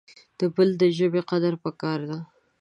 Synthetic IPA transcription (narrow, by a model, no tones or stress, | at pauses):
d̪̥əbəld̪əʒəbeqad̪aɾpəkɑɾd̪a